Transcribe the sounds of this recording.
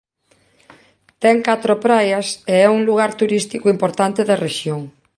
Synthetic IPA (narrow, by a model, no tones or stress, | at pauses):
t̪ɛŋkat̪ɾopɾajɐseɛuŋluɣaɾt̪uɾist̪ikʊimpoɾt̪ant̪eðɐreʃjoŋ